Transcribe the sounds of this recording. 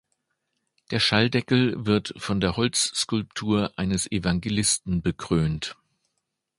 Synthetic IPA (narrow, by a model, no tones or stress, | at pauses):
d̥eːɐʃaldɛkl̩vɪɐtfɔndeːɐhɔlt͡sskʊlp̚tʰuːɐʔa̰ɪnəsʔevaŋɡelɪstn̩bəkʁ̥øːnt